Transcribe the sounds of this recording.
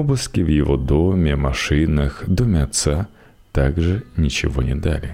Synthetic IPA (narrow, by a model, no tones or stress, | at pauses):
ɔbʊskʲɪwjɔʋɔd̪ɔmʲɪmɐʃɪnɐxd̪ɔmʲɐt̪sa | t̪aɡʐɛnʲit͡ʃɪʋɔnʲɛd̪alʲɪ